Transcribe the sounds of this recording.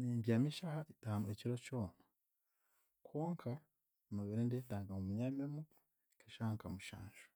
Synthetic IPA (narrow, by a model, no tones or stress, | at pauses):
niːndjamiʃahaidaanueciɾoco̞ːna | kʰoːŋkʰa | noβeɾindendaːŋɡamumuɲamemu | kʰaʃahaŋkamuʃa̰ːnʒo̥